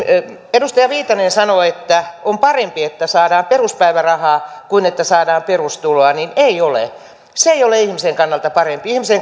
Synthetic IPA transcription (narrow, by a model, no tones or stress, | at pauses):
edust̪ɑjɑʋiːt̪ɑnensɑnoet̪ːæompɑrempiet̪ːæsɑːdɑːmperuspæiʋærɑhɑːkuinet̪ːæsɑːdɑːmperust̪uloɑnineiolḛ | seeijoleihmiseŋkɑnːɑlt̪ɑpɑrempiihmiseŋ